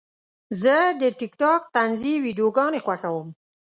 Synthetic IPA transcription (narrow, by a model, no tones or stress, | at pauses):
zəd̪əʈɪkʈɑk̚t̪anziwiɖijoɡɑnexwaxawəm